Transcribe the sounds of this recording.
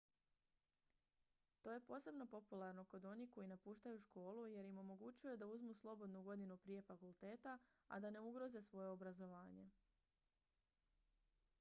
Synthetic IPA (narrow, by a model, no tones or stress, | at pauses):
t̪o̞ːje̞po̞ːse̞bno̞po̞pulˠaɾno̞ko̞d̪o̞niko̞jinapuːʃt̪ajuʃko̞ːluje̞ɾimo̞mo̞ɡut͡ɕujud̪auzmuslˠo̞bo̞d̪nuɡo̞d̪inupɾije̞fakulˠt̪e̞ːt̪aa̰d̪ane̞uɡɾo̞ze̞sʋo̞je̞o̞bɾazo̞ʋaːɲe̞